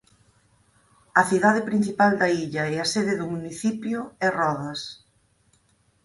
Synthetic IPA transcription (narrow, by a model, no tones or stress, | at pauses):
ɐθiðaðɪpɾin̟θipald̪ɐiʎɐɛɐseðɪðʊmuniθipjʊɛrɔðɐs